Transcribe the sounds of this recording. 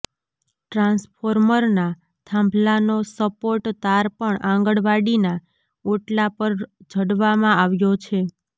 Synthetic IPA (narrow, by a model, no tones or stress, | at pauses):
ʈɾãnspʰoɾməɾna | t̪ʰãmbʱlanosəpoʈt̪aɾpəɳãŋɡəɽʋaɽina | oʈlapəɾd͡ʒʱəɽʋamãaʋjot͡ʃʰe